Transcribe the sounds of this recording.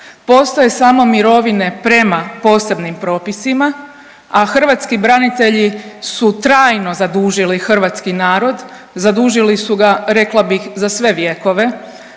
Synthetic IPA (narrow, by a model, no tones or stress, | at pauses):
po̞st̪oje̞samo̞miɾo̞ʋine̞pɾe̞mapo̞ːse̞bnimpɾo̞ːpisima | axr̩ʋat̪skibɾanit̪e̞ʎisut̪ɾaːjno̞zad̪uːʒilixr̩ʋat̪skinaːɾo̞d̪ | zad̪uːʒilisuɡaɾe̞klabixzasʋe̞ʋje̞ko̞ʋe̞